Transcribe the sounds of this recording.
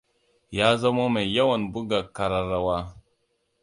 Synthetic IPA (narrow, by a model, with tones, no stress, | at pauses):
ja˦za˦mo˦me˨ja˦wa˨nbu˦ɡa˨ka˨ɾa˨ɾa˨wa˦